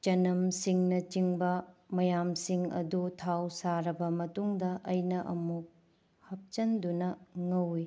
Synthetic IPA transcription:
t͡ʃɐnɐmsiŋnɐt͡ʃiŋbɐmɐjamsiŋɐ̰dutʰawsaɾɐbɐmɐtuŋdɐʔɐjnɐʔɐ̰muk̚ | hɐp̚t͡ʃɐndunɐŋɐwi

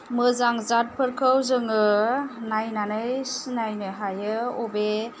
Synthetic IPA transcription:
mɯzaŋzat̚pʰɯɾkʰɯwzɯŋɯnajnanɯjsinajnɯɦajɯɔbe

